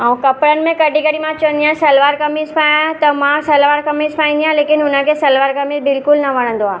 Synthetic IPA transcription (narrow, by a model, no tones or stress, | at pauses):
aːũkɐpɽənɪ̆mẽkɐɖʱĩkɐɽimãt͡ʃɐʋə̃nd̪iãsɐlʋaːɾkɐmizpʰaːãt̪ɐmãsɛlʋaːɾkɐmizpʰãːĩnd̪ijãleːkɪnɦʊnə̆kʰesɐlʋaːɾkɐmizbɪlkʊlnɐʋɐɽ̤̃ə̃nd̪oaː